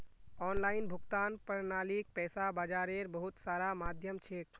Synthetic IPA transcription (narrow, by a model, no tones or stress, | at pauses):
ɔːnlaːinbʱʊkt̪aːnpəɾnaːlik̚pɛːsabad͡ʒaːɾeɾbəɦut̪saːɾamaːd̪ʱjəmt͡ʃʰek